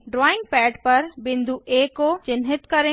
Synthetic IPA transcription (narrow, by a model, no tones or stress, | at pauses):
ɖɾɔːɪ̃ŋɡ̚pɛːʈpɐɾbɪ̃nd̪ʱuʔeːkot͡ʃɪnɦɪt̪kɐɾẽ